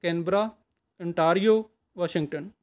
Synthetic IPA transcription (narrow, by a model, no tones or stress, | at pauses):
kenbɾa | ɪɳʈaːɾijoː | ʋaʃɪ̃ŋɡ̚ʈən